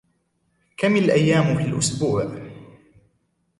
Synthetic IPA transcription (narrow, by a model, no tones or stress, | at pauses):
kamalʔajːaːmfilʔʊsbuːʕ